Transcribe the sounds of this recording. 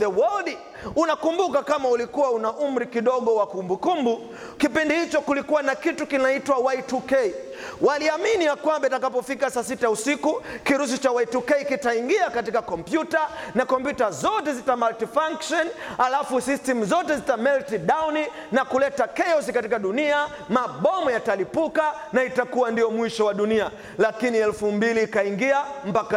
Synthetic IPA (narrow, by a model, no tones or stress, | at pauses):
ɛwɔld | unakumbukakamaulikuwaunaʔum̩ɾikiɗɔɠɔwakumbukumbu | kipindihit͡ʃɔkulikuwanakitukinaitwawaitukɛi | waliaminijakwambaitakapɔfikasasitausikukiɾus̬it͡ʃawaitukɛikitaiŋɡiakatikakɔmpjutanakɔmpjutazɔtɛzitamaltifaŋkʃɔnalafusistɛmuzɔtɛzitamɛltiɗawni | nakulɛtakɛjɔs̬ikatikaɗunia | maɓɔmɔjatalipuka | naitakuwandijɔmwiʃɔwaɗunia | lakiniɛlfumbiliːkaiŋɡiam̩paka